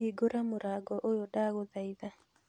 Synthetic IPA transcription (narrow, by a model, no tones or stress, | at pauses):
iɡoɾamoɾaɡɔʔojodaɣoðaiða